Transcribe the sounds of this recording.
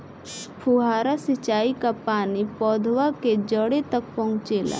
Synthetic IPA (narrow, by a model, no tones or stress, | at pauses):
pʰuɦaːɾasɪt͡ʃaːikapaːnipɔːd̪ʱwaked͡ʒəɽet̪ɐk̚pɐ̃ũt͡ʃeːla̰ː